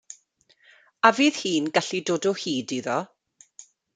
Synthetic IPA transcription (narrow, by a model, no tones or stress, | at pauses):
aviːð̥hiːnɡaɬidoːdɔhiːdiðɔ